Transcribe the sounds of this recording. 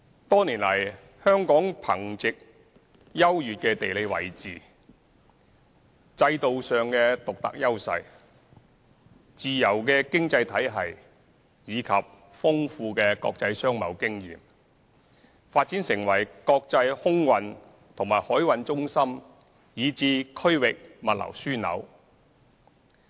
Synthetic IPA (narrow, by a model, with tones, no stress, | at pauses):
t̪ɔː˥niː˨˩nlɐ˨˩j | hœː˥ŋkɔː˨˥ŋpʰɐ˨˩ŋt͡sɪ˨k̚ | jɐ˥wjyː˨t̚kɛː˧t̪e˨jle˨˧jwɐ̰˨˩jt͡siː˨ | t͡sɐ˧jt̪o˨wsœː˨ŋkɛː˧t̪ʊ˨k̚t̪ɐ̰˨k̚jɐ˥wsɐ̰˧j | t͡siː˨jɐ˨˩wkɛː˧kɪ˥ŋt͡sɐ˧jt̪ʰɐ˨˥jɦɐ˨j | jiː˨˧kʰɐ˨p̚ | fʊ˥ŋfuː˧kɛː˧kɔ̰ː˧k̚t͡sɐ˧jsœː˥ŋmɐ̰˨˩wkɪ˥ŋjḭː˨m | faː˧t̚t͡siː˨˥nsɪ˨˩ŋwɐ˨˩jkɔː˧k̚t͡sɐ˧jhʊ˥ŋwɐ˨n | t̪ʰʊ˨˩ŋmaː˨˩jhɔː˨˥jwɐ˧nt͡ʃʊ˥ŋsɐ˥m | jiː˨˧t͡siː˧kʰɵ˥ɥwɪ˨k̚mɐ˨t̚lɐ̰˨˩wsyː˥nɐ̰˨˥w